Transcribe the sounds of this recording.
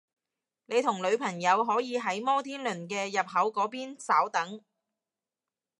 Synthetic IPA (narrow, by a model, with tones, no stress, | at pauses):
ne˨˧jt̪ʰʊ˨˩ŋlɵ˨˧ɥpʰɐ˨˩ŋjɐ˨˧wɦɔː˨˥jiː˨˧ɦɐ˨˥jmɔː˥t̪ʰiː˥nlɵ˨˩nkɛː˧jɐ˨p̚ɦɐ˨˥wkɔː˨˥piː˥nsaː˨˥wt̪ɐ˨˥ŋ